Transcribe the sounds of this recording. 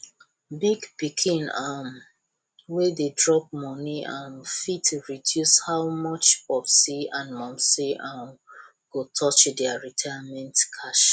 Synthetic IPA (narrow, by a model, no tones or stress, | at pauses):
biɡpikʰĩnam | wededɹɔp̚mɔniãnfitɹidjushawmɔt͡ʃɔfsiãnmɔ̃msiʔam | ɡ̥otʰɔt͡ʃdɛaɹitʰajamɛ̃ntkʰaʃ